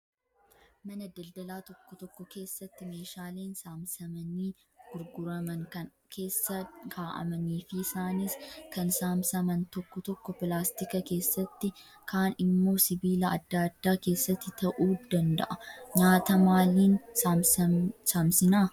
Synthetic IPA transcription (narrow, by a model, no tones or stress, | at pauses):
mɐnɐd̪ɐld̪ɐlaːt̪ɔkːɔt̪ɔkːɔke̞ːsːɐt̪ːɪme̞ːʃaːleːnsaːmsɐmɐniː | ɡ̥ʊɾɡʊɾɐmɐŋkɐn | kʰe̞ːsːɐɡaːʔɐ̰mɐniːfɪːsaːniskɐnsaːmsɐmɐnt̪ɔkːɔt̪ɔkːɔpɪlaːst̪ɪkɐke̞ːsːɐt̪ːɪ | kʰaːnɪmːo̞ːsɪbiːlɐɐd̪ːaːd̪ːaːke̞ːsːɐt̪ːɪt̪ɐʔuːd̪ɐnd̪ɐ̰ʔɐɲaːt̪ɐmaːliːns | saːmsɪnaː